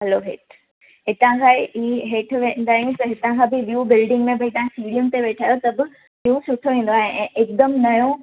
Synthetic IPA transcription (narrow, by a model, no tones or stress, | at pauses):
ɦɐloːɦḛːʈʰ | ɦɪt̪ãkʰaːʔiɦeːʈʰʋẽːnd̪aːɦijũt̪ɐɦɪt̪ãkʰãbɪʋjuːbɪlɖɪ̃ŋɡmẽbɐit̪ɐ̃ɦãsiːɽijəmt̪eʋeːʈʰaːjot̪ɐbɪ | ʋijusʊʈʰoʋĩːn̆d̪oaːɦeʔɛ̃ːʔɪk̚d̪əmnɐjõ